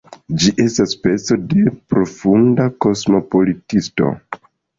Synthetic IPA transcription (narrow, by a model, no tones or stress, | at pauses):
d͡ʒiʔe̞staspe̞t͡so̞de̞pɾo̞fundako̞smo̞po̞litisto̞̰